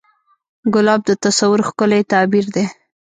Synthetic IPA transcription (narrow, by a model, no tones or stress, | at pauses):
ɡʊlɑb̚d̪ət̪asawʊɾxkʊlet̪ɑbiɾd̪e